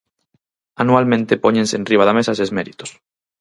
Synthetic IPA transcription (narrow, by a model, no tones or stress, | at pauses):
anualmẽnt̪epoɲẽnseːnriβ̞aðamesasezmeɾit̪o̥s